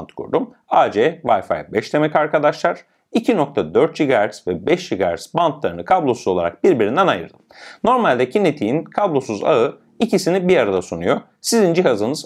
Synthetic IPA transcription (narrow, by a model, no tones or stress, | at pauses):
nt̪kʰṵɾd̪um | ad͡ʒɛvajfa̰jbɛʃt̪ʰe̞mɛcaɾkʰad̪aʃlˠaɾ̥ | icʰino̞k̚t̪ʰad̪øɾt̪̚d͡ʒiɡaæɾsvɛbɛʃd͡ʒiɡaaɾsbant̪lˠaɾɯnɯkʰablˠo̞suzo̞lˠaɾa̰k̚biɾbiɾind̪ɛnajɯ̰ɾd̪ɯmno̞ɾmalʲd̪ɛcʰinet̪ʰijinkʰablˠo̞suza̰ɯ | icisinibiɾaɾad̪asunujo̞ | sizind͡ʒiɦazɯnɯz